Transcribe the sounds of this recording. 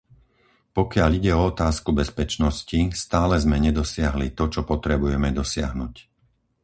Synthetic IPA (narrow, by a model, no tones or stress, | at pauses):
pɔkɪaʎiɟɛɔɔt̪aːskubɛspɛt͡ʃnɔscist̪aːlɛzmɛɲɛd̪ɔsɪaɦlit̪ɔt͡ʃɔpɔt̪ɾɛbujɛmɛd̪ɔsɪa̰ɦnuc